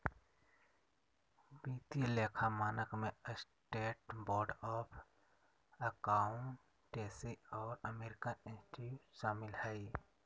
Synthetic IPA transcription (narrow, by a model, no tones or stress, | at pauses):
biːt̪ileːkʰamaːnəkmẽəs | ʈeːʈbɔːɾɖɔːpʰ | əkaːʊɳʈː | eːseɔːɾəmeːɾɪkənɪ̃nsʈiuʃaːmɪlhɛi